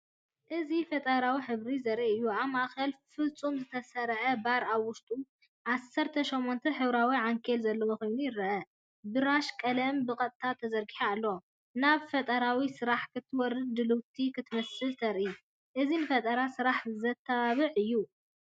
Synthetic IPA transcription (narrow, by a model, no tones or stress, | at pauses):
ʔɨzifɐt̪ʼɐɾawiħɨβɾizɐɾiɨjːuaβmaʔxɐlfɨlt͡sʼumzɨt̪ʰɐsɐɾʕɐbaɾaβwʊʃt̪ʼu | ʕasːɐɾt̪ʰɐʃomːont̪ʰɐħɨβɾawiʕaŋkʰelzɐlːɐwoko̞jnujɪɾɐʔɐ | bɨɾaʃkʼɐlɐmbɨkʼɐt̪ʼt̪ʰat̪ʰːɐzɐɾɡiħaːlːo | naβfɐt̪ʼɐɾawisɨɾaħkʰɨt̪ʰːɨwɔɾɨd̪̚d̪ɨluwt̪ʰikʰɨt̪ʰɨmɐsɨlt̪ʰɐɾʔi | ʔɨzinɨfɐt̪ʼɐɾasɨɾaħzɐt̪ʰːɐβaβɨʕɨjːu